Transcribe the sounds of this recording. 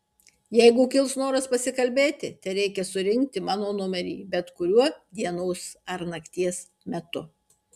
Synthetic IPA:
jɛɪɡʊkʲɪlˠsnoːɾɐspɐsʲɪkɐlʲbʲeːt̪ʲɪt̪ʲɛɪɾʲɛɪkʲɛsʊɾʲɪŋʲkt̪ʲɪmɑːnoːnʊmʲɛɾʲḭːbʲɛt̪kʊɾʲuɔd̪ʲiɛnɔʊsɐɾnɐkt̪ʲiɛs | mʲɛt̪ʊ

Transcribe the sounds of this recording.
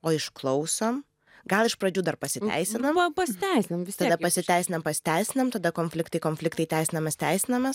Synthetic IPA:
oːɪʃklˠɐʊsoːm | ɡɐlˠɪʃpɾɐd͡ʒʲuːd̪ɐrpɐsʲɪt̪ʲæ̰ɪsʲɪnɐmɐpɐsʲɪt̪ʲæˑɪsʲɪnɐmʋʲɪsʲt̪ɐɛd̪ɐpɐsʲɪt̪ʲæɪsʲɪnɐmpɐsʲɪ̥t̪ʲæɪsʲɪnɐmt̪ɐd̪ɐkoːnfʲlʲɪkt̪ɐɪkoːnʲfʲlʲɪkt̪ɐɪt̪ʲæɪsʲɪnɐmɐst̪ʲæɪsʲɪnɐmɐs

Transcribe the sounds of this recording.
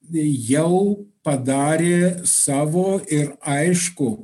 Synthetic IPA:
jɛʊpɐd̪ɑːɾʲeːsɑːʋoːɪɾɐɪʃkʊ

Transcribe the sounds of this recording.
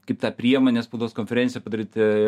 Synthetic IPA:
kɐɪpt̪ɑːpʲɾʲiɛjɛmɐnʲeːspoʊd̪oːskonʲfʲɛɾʲɛnʲsʲɪjɛpɐd̪ɐɾʲiːt̪ʲɪ

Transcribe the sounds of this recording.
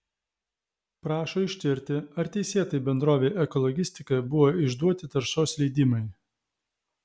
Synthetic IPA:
pɾɑːʃoːɪʃʲt̪ʲɪɾʲt̪ʲɪɐɾt̪ʲɛɪsʲeːt̪ɐɪbʲɛnd̪ɾoːʋʲeːʔɛkɔlˠɔɡʲɪsʲt̪ʲɪkɐjbʊʋoːɪʒd̪uɔt̪ʲɪt̪ɐɾʃoːslʲɛɪd̪ʲɪmɐɪ

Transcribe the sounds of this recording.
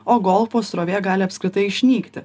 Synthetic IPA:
oːɡɔlˠfoːsɾoːʋʲeːɡɑːlʲɪɐpʲskʲɾʲɪt̪ɐɪɪʃʲnʲiːkt̪ʲɪ

